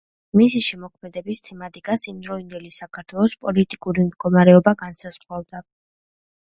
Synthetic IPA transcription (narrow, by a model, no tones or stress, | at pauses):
misiʃɛmɔkʰmɛd̪ɛbist̪ʰɛmat̪ʼikʼasimd̪ɾɔiŋɡɛlisakʰaɾt̪ʰwɛlˠɔspʼɔlit̪ʼikʼuɾimd̪ɡɔmaɾɛɔbaɡansaz̥ʁwavd̪a